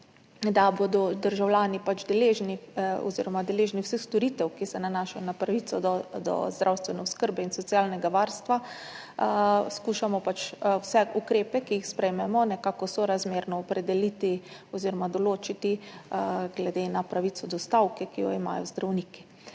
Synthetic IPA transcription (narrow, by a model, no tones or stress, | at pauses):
d̪aboːd̪ɔd̪əɾʒawljaːnipat͡ʃd̪ɛleːʒniɔ̰zḭɾɔmad̪ɛleːʒniwsəxst̪ɔɾit̪ɛwkisɛnanaːʃajɔnapɾaʋisɔd̪ɔ̰zd̪ɾʔawst̪ʋɛnɛʊskəɾbɛinsɔt̪sjaːlnɛɡaʋaːɾst̪ʋa | skuːʃamɔpat͡ʃwsɛukɾeːpɛkiixspɾɛjmɛmɔnɛkaːkɔsoɾazmeːɾnɔːpɾɛd̪ɛlit̪iɔziɾɔmad̪ɔloːt͡ʃit̪i | ɡlɛd̪eːnapɾaʋit̪sɔd̪ɔst̪awkɛkijɔ̰ima̰ːjɔzd̪ɾawniːki̥